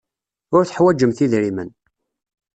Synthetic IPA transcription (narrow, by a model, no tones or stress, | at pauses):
ʊɾθəħwæd͡ʒːəmθiðɾimən